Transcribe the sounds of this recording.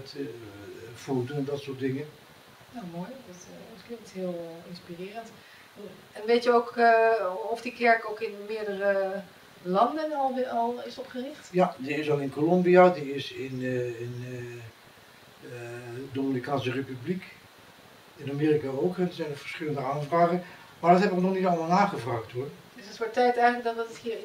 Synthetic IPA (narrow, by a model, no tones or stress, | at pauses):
ɛt | fotəɛndɑtsʊːt̚dɪŋə | jamojdɑttklɪŋk̚tɦɪːlˠɪnspirɪːrənt | n | ɛnʋejtjəowk | ɔfdikɛɹkowkɪnmɪːɹdərə | lɑndənɑlˠɑlˠɪsɔpχərɪχtjadiɪsɑlˠɪnkolɔmbijadiɪsɪnɪn | domɪnikaːnsərepyblik | ɪnameːrikaowkɛndəzɛjnəɹv̥ə̥ɹsχɪləndəaːnvraːχə | maːɹdɑtɦɛbəʋənɔχnitɑlˠmalˠnaːχəvraːχthʊɹdəsətʋɔɹtɛjtɛjχələk̚dɑtətthi